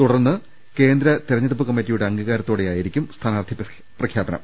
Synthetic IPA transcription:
t̪uɽɐrnːɨ | ke̞ːnd̪ɾɐt̪iɾɐɲːɐɽup̬ːɨkɐmːitːijuɽe̞ɐŋɡiɣaːɾɐt̪ːoːɽejaːjiɾikʲːumst̪ʰaːnaːrd̪ʱi | prɐkʰjaːbɐnɐ̰m

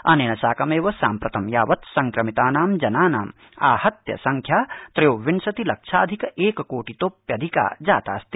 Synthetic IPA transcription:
ɐneːnɐsaːkɐmeːʋɐsaːmpɾɐt̪ɐmjaːʋɐt̪sɐŋkɾɐmit̪aːnaːmd͡ʒɐnaːnaːm | a̰ːhɐt̪jɐ̰sɐŋkʰjaːt̪ɾɐjoːʋiɳsɐt̪ilɐkʃʰa̰ːd̪ʱikɐʔeːkɐkoːʈit̪oːpjɐd̪ʱika̰ːd͡ʒa̰ːt̪a̰ːst̪i̥

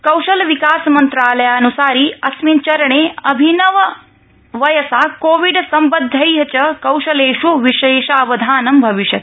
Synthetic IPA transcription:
kɐwʃɐlʋikaːsmɐnt̪ɾaːlɐjaɐnusaːɾiːɐsmint͡ʃɐɾɐɳeːɐbʱinɐʋɐ | ʋɐjɐsaːkoːʋiɖsɐmbɐd̪ʱːɐjɦɐt͡ʃɐkɐwʃɐleːʂuʋiʃeːʃaːʋɐd̪ʱaːnɐmbʱɐʋiʃjɐt̪

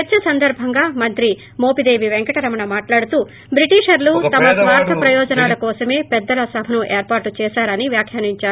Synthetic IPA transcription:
ɛt͡ʃːɐsɐnd̪ɐɾbʱɐŋɡaːmɐnt̪ɾi | moːpid̪e̞ːʋiʋeŋkɐʈɐɾɐmɐnɐmaːʈlaːɽut̪uː | bɾiʈiːʂɐɾluːt̪ɐmɐsʋaːɾt̪ʰɐpɾɐjɔːd͡ʒɐnaːlɐkɔːsɐme̞ːpɛd̪ːɐlɐsɐbʱɐnuʔeːɾpaːɾʈut͡ʃɛːsaːɾɐniʋjaːkʰjaːniɲt͡ʃaːɾu

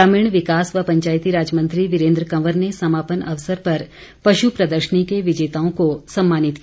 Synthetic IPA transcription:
aːmɪɳ̃ʋɪkaːsʋɐpɐ̃ɲt͡ʃaːjt̪iɾaːd͡ʒmə̃nt̪ɾiʋɪɾẽːnd̪ɾəkɐʋəɾnesɐmaːpənɐ̰ʋsəɾpɐɾ | pɐʃupɾɐd̪əɾʃənikeʋɪd͡ʒeːt̪aːõkosɐ̃mːaːnɪt̪k

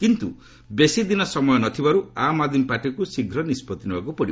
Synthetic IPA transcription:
kint̪ṵ | besid̪inɔsɔmɔjɔnɔt̪ʰibaɾuamad̪ʱimpaʈikusiɡʱɾɔnispɔt̪inebakupɔɽib

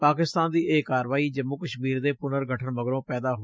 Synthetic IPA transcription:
paːkɪst̪aːnd̪iːʔeːkaːɾʋaːiːd͡ʒəmːʊkəʃmiːɾd̪eːpʊnəɾɡʱəʈʰəɳʋəɡɾõːpɛːd̪aːɦo

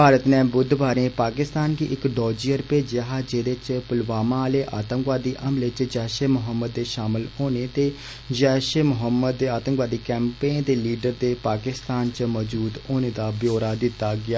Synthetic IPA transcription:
paːɾət̪nɛ̃ːbʊd̪baːɾẽːpaːkɪst̪aːnkiːʔɪkɖɔːd͡ʒijəɾpeːd͡ʒaːɦad͡ʒeːd̪eːt͡ʃpʊlbaːmãːleːʔaːt̪ə̃ŋkʋaːd̪iːʔəmlet͡ʃd͡ʒɛːʃeːmʊɦəmːəd̪ːeːʃaːmɪlɦoːneːt̪eː | d͡ʒɛːʃeːmʊɦəmːəd̪ːeːaːt̪ə̃ŋkʋaːd̪iːkɛːmpẽːnd̪eːliːɖəɾd̪eːpaːkɪst̪aːnt͡ʃmɔːd͡ʒuːd̪oːneːd̪aːbjoːɾaːd̪ɪt̪ːaːɡɪaː

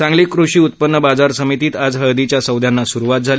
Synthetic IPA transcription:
t͡sãŋɡliːkɾuɕiːut̪̚pənːəbad͡zaɾsəmit̪iːt̪ad͡zɦəd̪it͡ɕjasəwd̪ʱjanːasuɾuʋat̪̚d͡zʱali

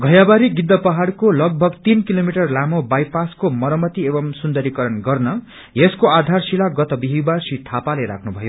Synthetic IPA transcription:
ɡʱʌjabaɾiɡid̪ːʌpʌɦaɽkolʌɡ̚bʱʌɡt̪inkilomiʈʌrlamobajpaskomʌɾʌmʌt̪iebʌmsund̪ʌɾikʌɾʌnɡʌrnʌ | jeskoad̪ʱarsilaɡʌt̪ʌbiɦibarsit̪ʰapaleɾa̰kʰnubʱʌjo

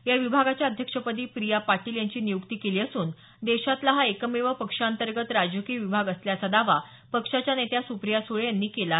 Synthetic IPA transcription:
jaʋibʱaɡat͡ɕjaəd̪ʱjəkʂəpəd̪iːpɾijapaʈiːljaɲt͡ɕiːnijukt̪iːkeliːəsuːn | d̪eɕat̪laɦaekəmeʋəpəkʂaənt̪əɾɡət̪ɾad͡ʑəkiːʋibʱaɡəsljat͡sad̪aʋa | pəkʂat͡ɕjanet̪jasupɾijasuɭejanːiːkela

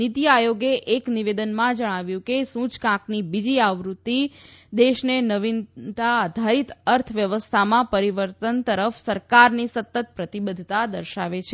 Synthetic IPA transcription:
nit̪ijajoɡeʔekniʋed̪ənmãd͡ʒəɽ̃aʋjũkesũt͡ʃkãknibid͡ʒiaʋɾut̪ːid̪eʃnenəʋint̪aːd̪ʱaɾit̪əɾt̪ʰʋjəʋəst̪ʰamãpəɾiʋəɾt̪ənt̪əɾəfsəɾkaɾnisət̪ːət̪̚pɾət̪ibəd̪ʱt̪ad̪əɾʃaʋet͡ʃʰe

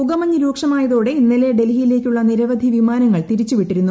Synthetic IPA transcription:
uɡɐmɐɲːuɾuːkʂɐmaːjɐðoːɽe̞inːile̞ɖe̞lɦijile̞ːkʲːuɭːɐniɾɐʋɐd̪ʱiʋimaːnɐŋːɐɭt̪iɾit͡ɕːuʋiʈːiɾunːu

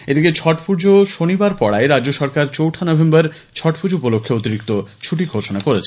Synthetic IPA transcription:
ed̪iket͡ɕʰɔʈpuɾd͡ʑoʃonibaɾpɔɽaeɾadd͡ʑoʃɔɾkaɾt͡ɕowʈʰanɔbʱembaɾ | t͡ɕʰɔʈpʰuɾd͡ʑoupolokʰːeot̪iɾikt̪ot͡ɕʰuʈiɡʱoʃonakoɾet͡ɕʰe

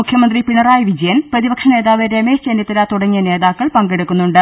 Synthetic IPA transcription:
ukʰjɐmɐnd̪ripiɳɐraːjɐʋid͡ʑɐjɐnprɐðibɐkʂɐne̞ːðaːʋeɾemeːʂt͡ɕeːnjɐt̪ːilat̪uɽɐŋːijɐne̞ːðaːkːɐɭpɐŋɡe̞ɽukːunːuɳɖɨ

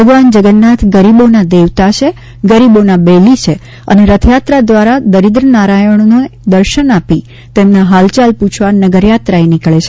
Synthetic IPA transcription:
bʱəɡʋand͡ʒəɡənːat̪ʰɡəɾibonad̪eʋt̪at͡ʃʰe | ɡəɾibonabelit͡ʃʰe | ə̰neɾət̪ʰjat̪ɾad̪ʋaɾad̪əɾid̪ɾənaɾajəɳ̃nod̪əɾʃənapi | t̪emnaɦalt͡ʃalput͡ʃʰʋanəɡəɾjat̪ɾaenɪkɭet͡ʃʰe

